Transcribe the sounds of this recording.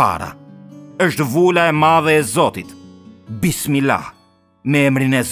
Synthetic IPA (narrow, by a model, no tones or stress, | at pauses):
a̰ɾa̰əʃt̪vulaɛmaðɛːzɔt̪it̪bismila̰ | mɛɛmɾinɛz